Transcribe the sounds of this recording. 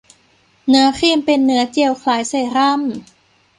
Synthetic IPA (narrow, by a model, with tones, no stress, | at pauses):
nɯ˩˦ɐkʰiː˥˧˩mpe˧nːɯ˩˦ɐt͡ɕi˧əwkʰlaː˩˦jsa˧˩jɾa˥˩˨m